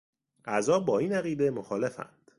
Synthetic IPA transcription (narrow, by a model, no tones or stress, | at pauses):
ʔæzɒːbɒːiːnæɣiːd̪e̞moxɒːle̞fæ̰nd̪̥